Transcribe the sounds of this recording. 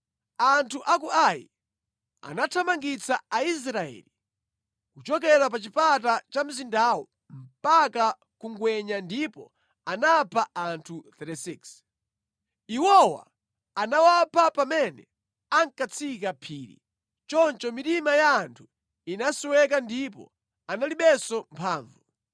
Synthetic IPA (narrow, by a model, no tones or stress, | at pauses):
antʰuʔak̬uajḭ | a̰natʰamaŋɡit͡saais̬ɾaɛ̰li | kut͡ʃɔkɛɾap̬at͡ʃipat̬at͡ʃam̩zindawɔ̰ | m̩paka | kuŋɡwɛɲandipɔ̰ | anapʰaantʰuθɛtisiks | iwɔwa̰ | anawapʰapamɛnɛ | aŋkat͡sʰikapʰiːɾḭ | t͡ʃɔnt͡ʃɔmitimajaːntʰu̥ | inasiwɛk̬andipɔ̰ | analiɓɛsɔmpʰaːɱvu